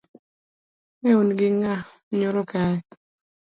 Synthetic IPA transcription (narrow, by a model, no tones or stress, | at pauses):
ŋɛunɡɪŋa | ɲoɾokaɛ